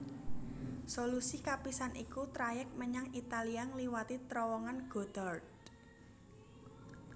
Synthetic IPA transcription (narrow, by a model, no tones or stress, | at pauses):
solusikapisanʔikut̪ɾajɛk̚məɲaŋit̪aliaŋliwat̪it̪ɾɔwɔŋanɡ̥o̤d̪̥ɔrd